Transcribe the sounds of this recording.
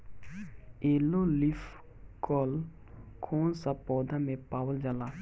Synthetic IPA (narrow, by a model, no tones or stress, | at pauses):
eːlolif | kɔl | kʰoːnsapɔːd̪ʱamẽpaːwəld͡ʒaːla